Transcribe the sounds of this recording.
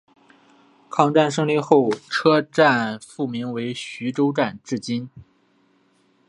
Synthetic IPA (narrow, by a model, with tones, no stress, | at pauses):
kʰɑ˥˧ŋʈ͡ʂa˥˩nʂ̬ɤ˥ŋli˥˧xo˥˩ʊʈ͡ʂʰɤ˥ʈ͡ʂa˥˧nfu˥˩mi˧˥ŋwe˧˥ɪɕy˧˥ʈ͡ʂo˥ʊʈ͡ʂa˥˧nʈ͡ʂɻ̩˥˩t͡ɕi˥n